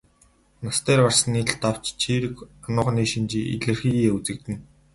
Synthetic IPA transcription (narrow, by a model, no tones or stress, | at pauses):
nast̪ʰeːrɢar̥sə̆niːɬt̪aw̥t͡ɕt͡ɕʰiːɾɘ̆kanʊːχ̆niːʃint͡ɕiːʔḭɮɘ̆rxiːeːut͡sɘ̆k̚t̪ɘ̆n